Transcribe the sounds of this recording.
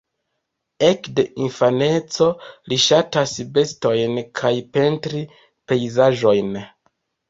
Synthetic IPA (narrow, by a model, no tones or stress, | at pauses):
e̞kde̞ʔinfane̞t͡so̞liʃatasbe̞sto̞jnkʰajpe̞ntɾi | pe̞jzaʒo̞jn